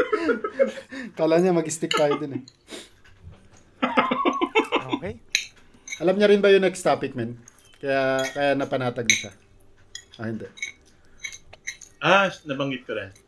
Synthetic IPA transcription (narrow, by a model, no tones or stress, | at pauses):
kaːlaɐɲamɐɡɪst̪ɪk̚t̪aːjod̪ɪnɛ | j | ʔɐlamɲɐɾɪnbɐjʊŋnɐɡst̪aːpɪk̪̚mɛn | kɐjakɐjaʔnɐpɐnaːt̪ɐɡ̚nɐʃa | ʔɐhɪnd̪ɛʔ | ʔanɐbɐŋɡɪt̪̚kɐɾɛn